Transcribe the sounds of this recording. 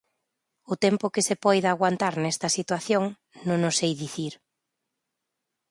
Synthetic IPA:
ʊt̪ɛmpʊkɪsɪpɔjðaɣwant̪aɾnɛst̪ɐsit̪waθjoŋ | nõnʊsejðiθiɾ

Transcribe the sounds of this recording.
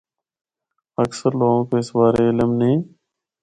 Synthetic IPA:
əksəɾloːɡõːkeːɪsbaːɾeːɪləmnĩː

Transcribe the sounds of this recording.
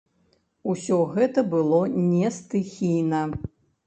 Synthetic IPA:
usʲɔɣɛt̪ɐbɨlˠɔnʲɛst̪ɨxʲijnɐ

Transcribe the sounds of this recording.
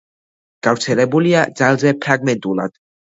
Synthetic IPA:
ɡ̥avɾt̪sʰɛlɛbuliad̪zalˠzɛpʰɾaɡmɛnt̪ʼulˠa̰d̪̥

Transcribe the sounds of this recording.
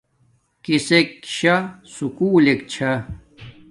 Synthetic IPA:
kisekɕasukuːlek̚t͡ɕʰɐ

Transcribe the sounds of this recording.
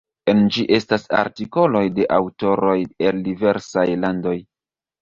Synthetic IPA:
e̞nd͡ʒiʔe̞stasa̰ɾtiko̞lo̞jde̞ʔawto̞ɾo̞je̞ldive̞ɾsajlando̞j

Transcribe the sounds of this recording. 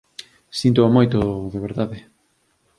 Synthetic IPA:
sint̪oamojt̪oðeβ̞eɾðaðe

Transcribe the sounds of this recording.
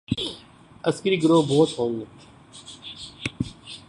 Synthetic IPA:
əskəɾiːɡəɾoːbɔːt̪ɦõːŋɡe

